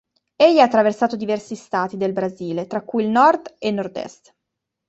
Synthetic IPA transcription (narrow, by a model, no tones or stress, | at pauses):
ejːɛat̪ːɾaversaːt̪od̪ivɛrsist̪aːt̪id̪elbɾaziːlet̪ɾakːuilnɔrd̪enːɔrd̪ɛ̰st̪